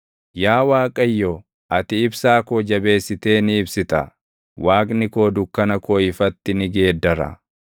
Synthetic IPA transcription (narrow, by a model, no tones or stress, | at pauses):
jaːwaːkʼɐjːo | ʔɐt̪ɪɪbsaːkoːd͡ʒɐbe̞ːsːɪt̪eːnɪːbsɪt̪ɐ̰ | waːkʼnɪko̞ːd̪ʊkːɐnɐkoːɪfɐt̪ːɪnɪɡe̞ːd̪ːɐɾɐ̰